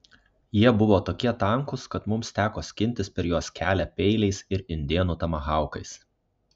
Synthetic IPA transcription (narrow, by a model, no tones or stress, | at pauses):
jiɛbʊʋoːt̪oːkʲiɛt̪ɐŋˑkʊskɐt̪mʊmst̪ʲæːkoːsʲkʲɪnʲt̪ʲɪspʲɛɾjuɔskʲæːlʲæpʲɛɪlʲɛɪsɪɾɪnʲd̪ʲiɛnuːt̪ɐmɐɣɑˑʊkɐɪs